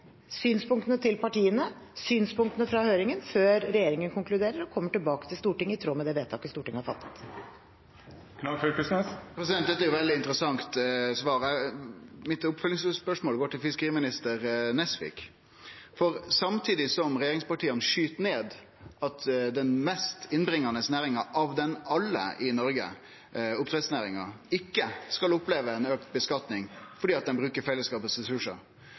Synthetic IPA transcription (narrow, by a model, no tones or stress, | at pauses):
syːnspʊŋkt̪ənət̪ʰɪlpɑʈiːənə | syːnspʊŋkt̪ənəfɾɑhøːɾɪŋənføːɾɾɛjeːɾɪŋənkʊŋklʉd̪eːɾəɾɔkʰɔmːəʈɪlbɑːkət̪ʰɪlst̪uːʈɪŋːəɪt̪ʰɾoːmɛd̪ɛʋeːt̪ʰːɑ̰ːkːəst̪uːʈɪŋːəhɑfɑ̰t̪ːə̥t̪ | k̪ʰɑføkʉsnɛspʰɾɛsɪd̪ɛnt̪d̪ɛt̪ːæɛɾjʊʋɛld̪ɪnt̪əɾəsɑŋt̪sʋɑːɾæ | mɪt̪ʊpfœlːɪŋsspœʂmoːlɡoːʈɪlfɪskəʁiːmɪnɪst̪əɾnɛsʋɪ̰k | fɔɾsɑmt̪ʰiːd̪ɪsɔmɾɛjeːɾɪŋspɑʈʰiːənʂyːt̪neːd̪ | ɑt̪d̪ɛnmɛst̪ɪnbɾɪŋːɑnəsnæːɾɪŋɑʔɑʋd̪ɛnɑlːə̰ʔɪnɔɾɡə̰ | ʊp̚t̪ɾɛt̪snæːɾɪŋɑ̰ | ɪkːəskɑlʊpleːʋəɛnøːk̚t̪̚bəskɑt̪nɪŋfɔɖiːɑt̪̚d̪ɛnbɾʉːkəɾfɛlːəskɑːpəsɾɛsʉʂə̰